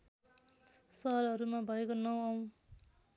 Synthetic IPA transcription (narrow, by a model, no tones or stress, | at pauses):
sʌɦʌɾɦʌɾumabʱʌekonʌw̃aw̃